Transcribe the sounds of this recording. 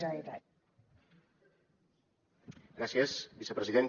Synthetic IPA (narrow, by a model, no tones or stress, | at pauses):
ait̪a | ɡɾasjesbisepɾəziðen